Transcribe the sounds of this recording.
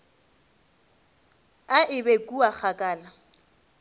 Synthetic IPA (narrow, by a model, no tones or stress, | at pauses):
aʔɪbekʼuak͡xakʼaːla